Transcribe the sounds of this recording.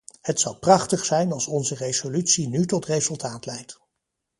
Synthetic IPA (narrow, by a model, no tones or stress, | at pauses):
hətsʌwprɑχtəχsɛjnɑlˠsɔnzərejz̥olytsinytɔtrejzɵlˠtaːtlɛjt